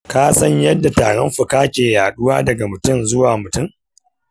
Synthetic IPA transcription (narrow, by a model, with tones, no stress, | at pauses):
kaː˦sɐ˦ɲjɐ˦dːa˨taː˨ɽɔ˦mɸʊ˨kaː˦kʲeː˨jaː˨ɗʊ˦waː˦dɐ˨ɡa˨mʊ˨tʊ˦mzʊ˦waː˨mʊ˨tʊ˦˨m